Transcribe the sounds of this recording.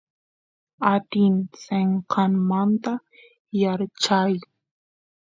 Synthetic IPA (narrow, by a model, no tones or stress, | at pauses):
at̪ɪnt͡seɴqʰɑnmant̪a | jaɾt͡ʃaj